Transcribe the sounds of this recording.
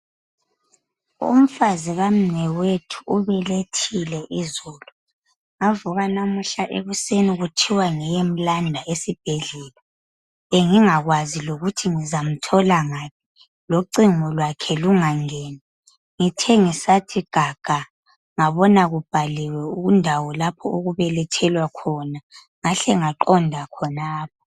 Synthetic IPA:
ṵm̩faziɣam̩nɛwetʰu̥uβɛletʰilɛʔizɔːlu | ŋavuɣanamuɬaʔḛβuseniɣutʰiwaŋɛjem̩landʱaesib̥ʱeɮɛla | eŋiŋaɣwaziloɣutʰiŋizam̩tʰɔlaŋaːpʰi̥ | loǀiŋɔlwakʰɛluŋaŋɛːni | ŋitʰɛŋisatʰiɡ̥ʱaɡ̥ʱa | ŋaβɔnaɣub̥ʱalɛwɛuɣundʱawɔlapʰɔoɣuβɛlɛtʰɛlwakʰɔna | ŋaɬɛŋaǃɔndʱakʰɔnaːp̚ʰɔ̥

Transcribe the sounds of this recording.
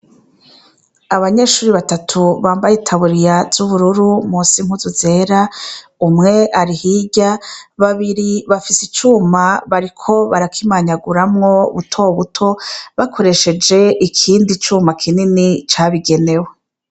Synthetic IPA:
aβaɲe̞ːʃuːɾiβatatʰuβaːmbajetʰaβuɾijaz̥uβuɾuɾumuːsim̥huzuze̞ːɾaumŋe̞ʔaɾihiɟaβaβiɾiβafisit͡ʃuːmaβaɾikʰo̞βaɾakʰimaɲaɡuɾamŋo̞ṵβutʰo̞βutʰo̞βakʰo̞ɾe̞ʃe̞d͡ʒe̞ʔikʰiːndit͡ʃuːmakʰininit͡ʃaβiɡe̞ne̞we

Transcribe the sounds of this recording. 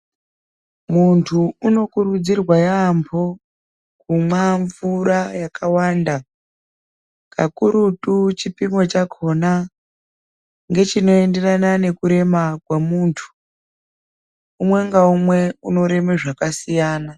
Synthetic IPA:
muntʰuuno̞kuɾud͡zirwajambʰo̞ | kumwaɱvuɾajakʰawaːnda | kʰakuɾutut͡ʃipimo̞t͡ʃakʰo̞na | ŋɡe̞t͡ʃino̞e̞nde̞ranane̞kuɾe̞makwamuːntʰu̥ | umwe̞ŋɡaumwe̞uno̞ɾe̞meʐakasijaːna

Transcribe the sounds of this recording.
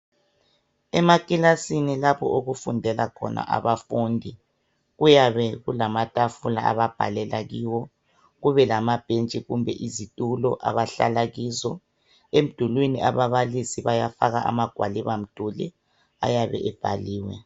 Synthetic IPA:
ɛmakʼilasinilapʰɔʔoɣufundʱɛlakʰɔ̰na̰ʔa̰βafuːndʱi | ɣujaβɛɣulamatʼafula̰a̰βab̥ʱa̰lɛlaɣiːwɔ | ɣuβɛlamab̥ʱent͡ʃʼiɣumbʱɛʔizitʼulɔʔa̰βaɬa̰laɣiːzɔ | em̩d̥ʱulwiniaβaβalisiβajafaɣaʔamaɡ̥ʱwa̰liβam̩d̥ʱulḭ | a̰jaβɛ̰ʔɛb̥ʱa̰liːwɛ̰

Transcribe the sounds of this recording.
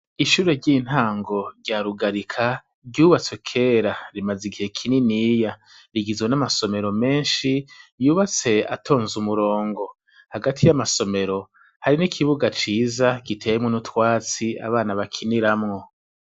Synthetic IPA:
iʃuːɾe̞ɾɟiːn̥haːŋɡo̞ɾɟaːɾuɡaɾikʰa | ɟuːβat͡sekʰe̞ːɾaɾimaziɡihe̞kʰininiːja | ɾiɡizɡwenamaso̞me̞ɾo̞me̞ːnʃijuːβat͡se̞a̰tʰo̞ːnzumuɾo̞ːŋɡo̞ | haɡatʰijamaso̞me̞ɾo̞ | haɾinikʰiβuɡat͡ʃiːzaɡ̥itʰejemŋonutwaːt͡sia̰βaːnaβakʰiniɾamŋo̞

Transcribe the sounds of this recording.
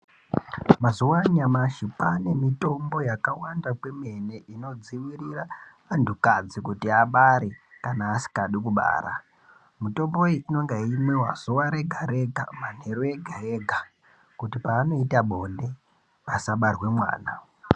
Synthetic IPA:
mazuwaɲamaʃipane̞mito̞mbo̞jakawandakwe̞me̞ne̞ʔino̞d͡ziwiriraː | ndʱukad͡zikutiaɓaɾekanaːsi̥kaɗikuɓa̰ːɾa | muto̞mbo̞iino̞ŋɡeimwe̞wa̰z̥uwaɾeɡʱaɾe̞ɡʱa̰man̤e̞ɾoeɡʱareɡʱa | kutipaːno̞itaɓo̞nde̞ | asaɓarwe̞mwa̰ːna̰

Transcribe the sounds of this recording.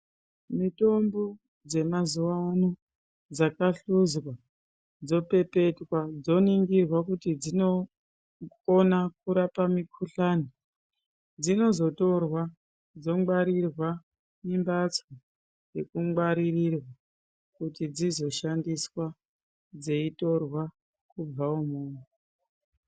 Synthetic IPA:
mito̞mbo̞ | d͡ze̞mazuwano | d͡zakaɬuzwa | d͡zo̞pe̞pe̞twad͡zo̞niŋɡirwakutid͡zino̞ | onakuɾapamikʰuɬani | d͡zino̞zo̞to̞rwa | d͡zo̞ŋwaɾirwa | mimbat͡swo | je̞kuŋwaɾirirwa | kutid͡zizo̞ʃandiswa | d͡ze̞ito̞rwa | kub͡vaumuːme

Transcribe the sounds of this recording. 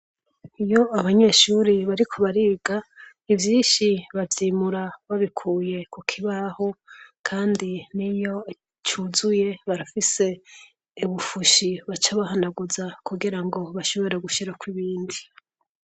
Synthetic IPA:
ijo̞aβaɲe̞ʃuɾiβaɾikʰo̞βaɾiːɡa | ivjiːnʃiβavjimuɾaβaβikʰuːje̞kukʰiβahokʰaːndinijo̞ | t͡ʃuzuje̞βaɾafise̞ː | βufuʃiβat͡ʃaβaɦanaɡuzakuɡiɾaŋɡo̞βaʃo̞βo̞ɾe̞ɡuʃiɾakwiβiːndi

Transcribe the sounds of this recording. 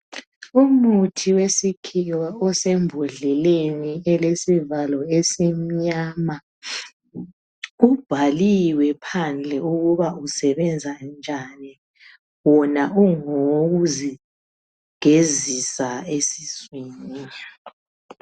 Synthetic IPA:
umutʰiwesikʰiwaɔsembʱuɮɛleniɛlesivalɔesim̩ɲaːma | ub̥ʱaliwɛpʰand͡ɮʱɛuɣuβausɛβɛnd͡zʱand͡ʒʱani | wɔnauŋoɣuzi | ɡ̥ʱezisaesiswini

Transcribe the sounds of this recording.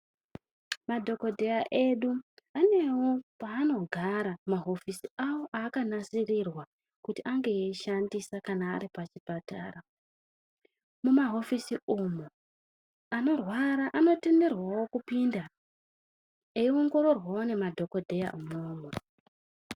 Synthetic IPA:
madʱo̞ko̞dʱe̞jaʔe̞ɗuane̞wo̞paːno̞ɡʱaɾamaɦo̞fisiawo̞ʔaːkanasirirwa | kutiʔaŋɡeːʃandisakana̰ːɾipat͡ʃipata̰ːra | mumaɦo̞fisiumu | ano̞rwaɾaʔano̞te̞me̞rwawo̞kupinda | eio̞ŋɡo̞ɾo̞rwawone̞madʱo̞ko̞dʱe̞ja̰umoːmwe

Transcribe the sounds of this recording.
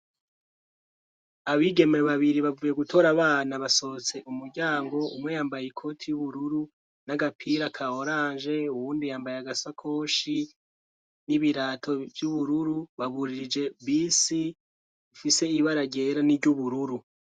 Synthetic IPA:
aβiɡe̞meβaβiɾiβavuje̞ɡutʰo̞ɾaβaːnaβaso̞t͡se̞ʔumuɾɟaːŋɡo̞umŋe̞jaːmbajikʰo̞tʰijuβuɾuɾu | naɡapʰiɾakʰaoɾaːnʒe̞uβuːndijaːmbajaɡasakʰoːʃi | niβiɾaːtʰo̞vjuβuɾuɾuβaβuɾiɾid͡ʒe̞βisi | ifise̞iβaɾaɟe̞ɾaniɟuβuɾuɾu

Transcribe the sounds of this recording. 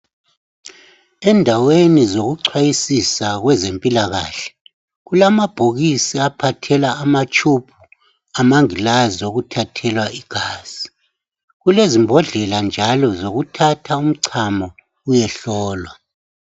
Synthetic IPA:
ɛndʱawenizoɣuǀʰwajisisaɣwɛzempʼilaɣa̰ːɬɛ̥ | ɣulamab̥ʱoɣisiapʰatʰɛlaːmat͡ʃʼupʰu | amaŋilazoɣutʰatʰɛlwaiɡ̥ʱaːz̥i | ɣulezimbʱɔɮɛland͡ʒʱalɔzoɣutʰatʰaum̩ǀʰamɔ | ujɛɬɔːlwa

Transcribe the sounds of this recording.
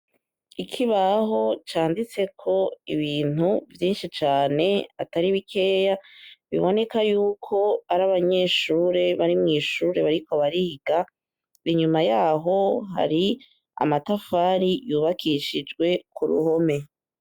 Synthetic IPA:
ikʰiβaɦo̞t͡ʃaːndit͡se̞kʰo̞iβiːn̥uvjiːnʃit͡ʃaːne̞a̰taɾiβikʰe̞ːjaβiβo̞ne̞kajuːkʰo̞aɾaβaɲe̞ʃuːɾe̞βaɾimŋiːʃuːɾe̞βaɾiko̞βaɾihiɡa | iɲumajaːɦo̞ha̰ɾi | a̰matafaːɾijuːβakʰiʃid͡ʒɡwe̞kuɾṵho̞me̞

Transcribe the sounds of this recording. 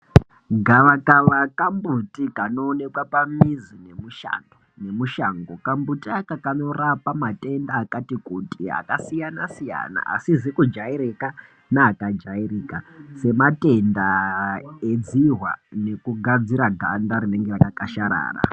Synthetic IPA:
ɡʱaʋakaʋakambutikano̞ːne̞kwapamizine̞muʃa̰ndone̞muʃaŋɡokambutiakakano̞rapamate̞ndaːkatikutia̰kasijanasija̰na̰ʔasizikud͡ʒaiɾeka | naːkad͡ʒairiːkase̞mate̞nda | ed͡ziɦwa̰ne̞kuɡʱad͡ziɾaɡʱandaɾine̞ŋɡerakakaʃaɾa̰ːra̰

